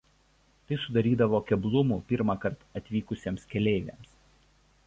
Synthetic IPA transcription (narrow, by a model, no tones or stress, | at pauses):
t̪ɐɪsʊd̪ɐɾʲiːd̪ɐʋoːkʲɛblˠʊmuːpʲɪɾmɑkɐɾt̪ɐt̪ʲʋʲiːkʊsʲeːmskʲɛlʲeːɪʋʲḛːms